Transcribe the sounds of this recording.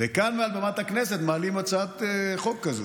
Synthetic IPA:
vekanmealbamat̪haknes̬e̞t̪maːlimat͡saat̪eχo̞kːazo

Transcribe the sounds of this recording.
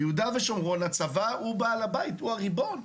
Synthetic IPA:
jɛud̪aveʃomʁo̞nat͡savaubalabait̪uaʁibo̞n

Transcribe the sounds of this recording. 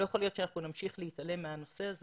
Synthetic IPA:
ojeχolijo̞t̪ʃeanaχnunamʃiχlejitale̞mːeano̞se̞az

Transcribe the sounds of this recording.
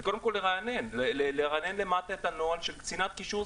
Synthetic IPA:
ko̞d̪emko̞lːeʁanenleleleʁanenlemat̪aet̪anoalʃelkt͡sinat̪kiʃu

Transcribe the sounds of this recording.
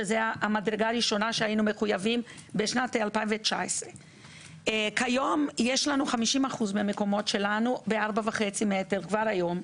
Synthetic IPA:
ezeaamadɾeɡaːɾiʃo̞naʃeajinume̞χujavim | beʃnatealpaĩnɱvet͡ʃaesʁe | kajo̞mjeʃlanuχamiʃimaχuzmeame̞ko̞mo̞tʃe̞lanubeaʁbavaχe̞t͡simeeteʁkvaɾhajo̞m

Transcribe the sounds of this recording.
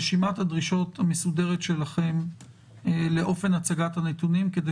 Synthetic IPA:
ʃimathadʁiʃo̞t̪hamesude̞ʁetʃe̞laχe̞m | le̞ʔo̞fe̞nat͡saɡathanet̪unimkede

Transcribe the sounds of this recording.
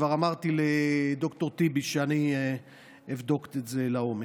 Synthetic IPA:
vaʁamaʁt̪iled̪o̞kt̪o̞ʁt̪ibiʃeani | evd̪o̞kt̪etze̞laome

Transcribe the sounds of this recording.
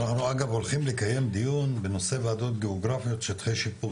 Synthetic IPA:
naχnuaɡavo̞lχimlekaje̞md̪ijunbeno̞se̞vaːd̪o̞t̪̚ɡeoɡʁafijo̞t̪ʃet̪χejʃipu

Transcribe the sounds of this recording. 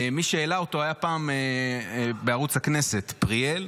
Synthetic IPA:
miʃeelaoto̞ajapaːme | beaʁut͡shakne̞se̞t̪pʁiel

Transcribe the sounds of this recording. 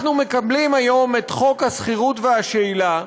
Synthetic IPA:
numekablimajo̞metχo̞khasχiʁutveaʃeila

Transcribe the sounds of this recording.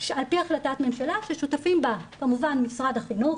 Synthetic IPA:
ʃalpiaχlatatme̞mʃalaʃeʃutafimbakamuvanmisʁadaχinuχ

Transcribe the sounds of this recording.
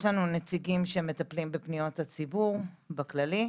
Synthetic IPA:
ʃlanunet͡siɡimʃemet̪aplimbepnijo̞t̪hat͡sibuʁ | baklali

